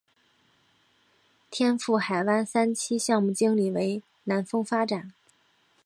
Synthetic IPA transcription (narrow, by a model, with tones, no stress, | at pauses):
t̪ʰjɛ˥nfu˥˩xa˨˩ɪwa˥nsa˥nt͡ɕʰi˥ɕjɑ˥˧ŋmu˥˩t͡ɕi˥ŋli˨˩we˧˥ɪ | na˧˥nfɤ˥ŋfa˥ʈ͡ʂa˨˩˦n